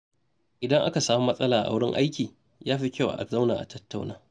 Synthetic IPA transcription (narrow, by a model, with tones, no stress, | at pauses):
ʔɪ˨dɐ˦ŋʔa̰˦ka˨saː˦mu˦mɐ˦sʼɐ˦laː˨ʔa̰˨wɽɪ̰˦ŋʔa̰˦jkʲiː˨ | jaː˦ɸi˦kʲa˦˨wa̰˨ʔa̰˨za˦wna̰ː˨ʔa̰˨tɐ˦tːa˨wnaː˦